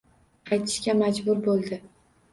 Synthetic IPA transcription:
ɑjt̪ʰɪ̥ʃkʲamad͡ʒbʊɾbolˠd̪ɪ

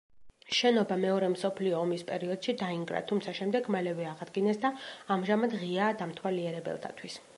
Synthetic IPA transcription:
ʃɛnɔbamɛɔɾɛmsɔpʰliɔːmispʼɛɾiɔd̪̥ʃid̪aiŋɡɾa̰t̪ʰumt̪sʰaʃɛmd̪ɛɡmalɛvɛaʁad̪ɡinɛsd̪aːmʒamad̪ʁiaːd̪amt̪ʰwaliɛɾɛbɛ̰lˠt̪ʰa̰t̪ʰwis

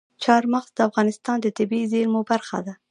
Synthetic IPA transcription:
t͡ʃɑɾmaɣzd̪əafɣɑnɪst̪ɑnd̪ət̪ɪbizeɾmobaɾxa̰d̪a

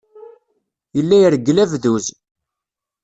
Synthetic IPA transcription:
jəlːæjəɾɡːəlævðuz

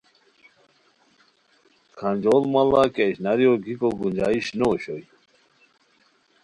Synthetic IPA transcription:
kʰanʲd͡ʑolmalakeɕnaɾjoɡikoɡund͡ʑaiɕnoɕoj

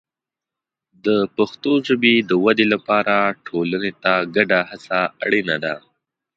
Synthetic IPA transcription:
d̪əpaxt̪oʒəbed̪əwad̪elapɑɾaʈʰolanet̪aɡaɖahasaa̰ɽinad̪a

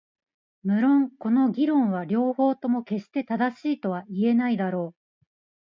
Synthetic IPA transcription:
mɯ̟ɾõ̞ŋko̞no̞ɡʲiɾõ̞ɰ̃β̞aɾʲo̞ːho̞ːt̪o̞mo̞ke̞ɕi̥t̪e̞t̪ad̪aɕiːt̪o̞βaie̞naid̪aɾo̞ː

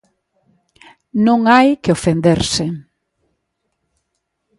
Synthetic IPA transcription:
nõŋajkɪofend̪eɾsɪ

